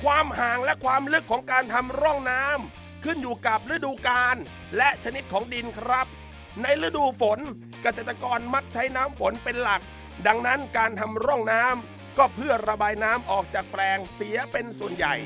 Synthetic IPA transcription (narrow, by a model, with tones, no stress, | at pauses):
kʰwaː˧mhaː˨˩ŋlɛ˦˥kʰwaː˧mlɯ˦˥kʰːɔː˩˦ŋkaː˧nt̪ʰa˧mɾɔ˥˩ŋnaː˦˥m | kʰɯ˥˩njuː˨˩ka˨˩p̚ɾɯ˦˥duː˧kaː˧n | lɛ˦˥ʔt͡ɕʰa˧ni˦˥t̪̚kʰɔː˩˦ŋdi˧nkʰɾa˦˥p̚ | na˧jɾɯ˦˥duː˧fo˩˦n | ka˧seː˨˩t̪ːa˧kɔː˧nma˦˥k̚t͡ɕʰa˦˥jnaː˦˥mfo˩˦npe˧nla˨˩k̚ | da˧ŋna˦˥nkaː˧nt̪ʰa˧mɾɔ˥˩ŋnaː˦˥m | kɔː˥˩pʰɯ˥˩ɐɾa˧baː˧jnaː˦˥mʔɔː˨˩k̚t͡ɕaː˨˩k̚plɛː˧ŋsi˩˦ɐpe˧nsu˨˩ənja̰˨˩j